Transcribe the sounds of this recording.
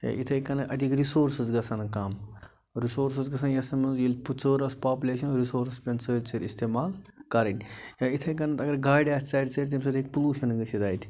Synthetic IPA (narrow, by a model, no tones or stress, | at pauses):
ja̰ʔit̪ʰɐjkɐnɨʔɐt̪ikɾisoːɾsɨzɡɐsɐnkɐm | ɾisoːɾsɐzɡɐsɐnjɐsɐmɐnzjilʲput͡səːɾɐspaːpuleːʃɐnɾisoːɾspʲɐnt͡səɾʲt͡səɾʲist̪eːmaːlkɐɾɐnʲjaːit̪ʰɐjk̬ɐnɐt̪ɐɡɐɾɡaːjɖaːst͡sɐːjɾʲt͡sɐɾʲt̪̬imsɐt̪ʰek̚puluːʃɐnɡɨsʰid̪aːjt̪ʰʲ